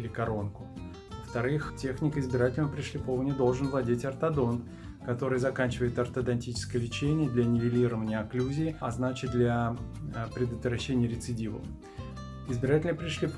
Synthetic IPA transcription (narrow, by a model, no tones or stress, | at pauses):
lʲɪkɐɾo̞nkʊ̥ | vəft̪ɐɾɨxtʲexnʲɪkəɪzbʲɪɾatʲɪlʲnəəpɾʲɪʂlʲɪpovənʲɪd̪o̞lˠʐɨnvlˠɐdʲetʲɐrt̪ɐd̪o̞n | kɐt̪o̞ɾɨjəzɐkanʲt͡ɕɪvəjɪt̪ɐrt̪əd̪ɐnʲtʲit͡ɕɪ̥skəjəlʲɪt͡ɕenʲɪjəd̪lʲɐnʲɪvʲɪlʲiɾəvənʲɪjəɐklʲuzʲɪːɐznat͡ɕɪt̪̚d̪lʲa | pɾʲɪd̪ət̪vɾɐɕːenʲɪjəɾʲɪt̪sɨdʲivə̰ | ɪzbʲɪɾatʲɪlʲnəpɾʲɪʂlʲɪp